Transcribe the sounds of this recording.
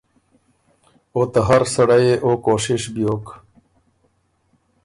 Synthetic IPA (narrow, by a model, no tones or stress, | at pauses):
oːt̪ɐɦɐɾsɐɽajeʔoːkoːɕiʂbijoːk